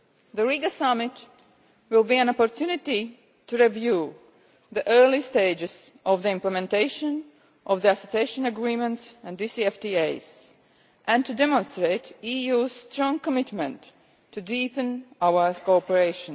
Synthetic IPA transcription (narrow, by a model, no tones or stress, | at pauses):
ðəliɡəsamɪt | wɪlˠbiæ̃nɔpɔɹtʰjunɪti | tuɹivju | ðiʔɜ˞listeɪd͡ʒɨz̥ʔɔvðiɪ̃mpləmɛ̃nteɪʃə̃n | ʔɔvðiæsɛteɪʃə̃nəɡɹĩmə̃ntsæ̃ndisiɛftieɪz̥ | ʔæ̃ntudɛmə̃nstɹeɪtijuzstɹ̥ɔ̃ŋkəmɪtmə̃ntʰː | ɨdipɨ̃nawə˞koɔpəɹeɪʃə̃n